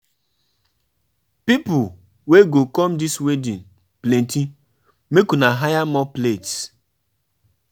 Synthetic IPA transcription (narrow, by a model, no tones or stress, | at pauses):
pipʊl | weɡokɔm̩diswedin̩ | plẽnti | mekunaɦajamɔplets